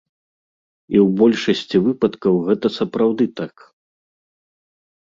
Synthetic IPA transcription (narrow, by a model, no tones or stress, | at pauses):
iwbɔlʲʂɐsʲt͡sʲivɨpɐt̪kɐwɣɛt̪ɐsɐpɾawd̪ɨt̪ak